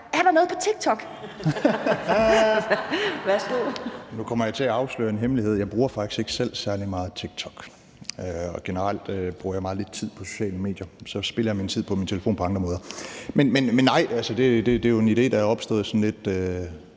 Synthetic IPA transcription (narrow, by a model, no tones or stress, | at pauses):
æɐɾ̥unɔ̽ːð̞̩ˠpʰɒ̽t͡sʰiɡ̥̚t͡sʰɒ̽ɡ̥ | ʋæsd̥onukʰɒ̽m̰ɐjɑɪt͡sʰe̝æɑ̈ʊslø̰ːɐe̝nɦemlihe̝ð̞̰ˠjɑɪb̥ʁuːɐfɑ̈ɡ̥isɡ̥e̝ɡ̥ə̥sel̰sæɐlimɑ̈ːð̞̩ˠt͡sʰiɡ̥̚t͡sʰɒ̽ɡ̥ | øɒ̽ɡ̥enəʁal̰d̥b̥ʁuɐjɑ̈mɑ̈ːð̩ˠle̝d̥̚t͡sʰið̰ˠpʰɒ̽so̝̥ɕɛ̰ːləme̝̰ːd̥jɐsɒ̽sb̥e̝lɐjɑmint͡sʰið̰ˠpʰɒ̽mint͡sʰe̝ləfo̝̰ːnpʰɒ̽ɑ̈ŋd̥ʁɐmɔːðˠɐmenmenmenːɑ̈ɪ̰ælsəd̥e̝d̥e̝d̥e̝joe̝nide̝̰ːd̥ɑjæɒ̽b̥sd̥ɔ̰̽ːð̩ˠsɒ̽nle̝d̥ø